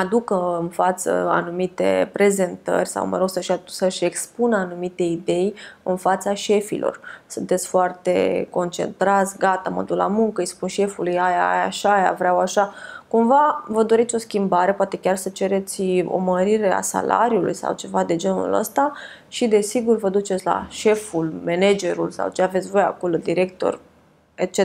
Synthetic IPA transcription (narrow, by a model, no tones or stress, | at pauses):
ad̪ukəɨnfat̪sə̰a̰numit̪e̞̰pɾe̞ze̞nt̪ə̰rʲsa̰wmə̰ɾewsəʃasəʃe̞kspunanumit̪e̞id̪e̞jɨnfat̪saʃe̞fḭlʔo̰rsunt̪e̞t̪sʲfoart̪e̞̰ko̞nt͡ʃe̞̰nt̪ɾat̪sʲɡat̪amo̰d̪ula̰muŋkəɨjspunʃe̞fulujajajaʃaja̰vɾʲawaʃakumvavəd̪o̞ɾet̪sʲo̞skʲimbaɾe̞poat̪e̞kʲarsət͡ʃe̞ɾe̞t̪sʲo̰məɾiɾe̞a̰sa̰la̰ɾjulṵjsa̰wt͡ʃe̞vad̪e̞d͡ʒe̞nṵlə̰st̪a | ʃid̪e̞siɡurvəd̪ut͡ʃe̞t̪sʲla̰ʃe̞fulmened͡ʒe̞ɾulsa̰wt͡ʃeavet̪sʲvo̞jea̰ko̞lo̞d̪iɾe̞k̚t̪o̞̰r | et͡ʃe